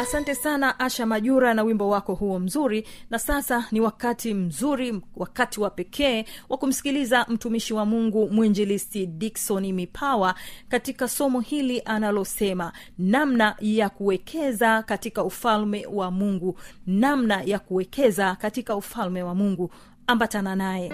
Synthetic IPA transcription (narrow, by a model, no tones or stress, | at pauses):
asantɛsanaʔaʃamaʄuɾanawimbɔwakɔhuɔm̩zuɾinasasaniwakatim̩zuɾiwakatiwapɛkʰɛːwʔakum̩si̥kilizam̩tumiʃiwamuŋɡumuɛɲd͡ʒɛlisidiksɔnimipʰawakatikasɔmɔhiliʔanalɔsɛma | namnajakuwɛkʰɛzakatikaufalmɛwamuŋɡunamnajakuwɛkʰɛzakatikaufalmɛwamuŋɡu | ambatananajɛ